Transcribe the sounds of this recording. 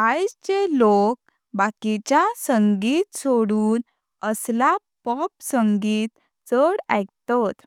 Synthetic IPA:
ajd͡zt͡ɕelok̚ | bakit͡ɕjasəŋɡiːt̪soɽuːn | əsla | pɔp̚səŋɡiːt̪ | t͡səɽa̰jkt̪at̪

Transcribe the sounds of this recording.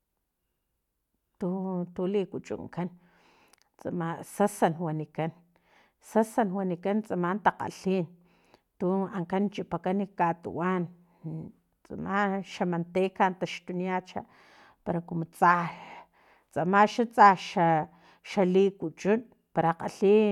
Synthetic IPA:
t̪ut̪ulikut͡ʃʼṵŋkan | t͡sa̰masasanwanikan | sasanwanikant͡sʼamant̪aqa̰ɬin | t̪uaŋkant͡ʃipakanikat̪ṵwan | t͡sa̰maʃamant̪ekant̪aʃt̪uniat͡ʃa̰ | paɾakumot͡sa | t͡sʼamaʃat͡saʃa | ʃaliːkut͡ʃʼun | paɾaqa̰ɬi

